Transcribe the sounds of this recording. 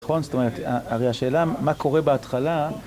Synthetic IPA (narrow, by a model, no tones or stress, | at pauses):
χo̞nst̪o̞me̞ʁet̪aaʁejhaʃeːlamako̞ʁebeat̪χala